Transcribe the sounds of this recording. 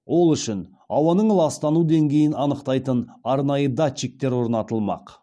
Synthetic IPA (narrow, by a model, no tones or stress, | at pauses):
wo̞lˠʏʃɪn | ɑwɑnəɴəlˠɑst̪ɑnud̪e̞ŋɡʲe̞jɪnɑnəqt̪ɑjt̪ənɑɾnɑjəd̪at͡ʃːik̚t̪e̞ɾwo̞ɾnɑt̪əlˠmɑ̰q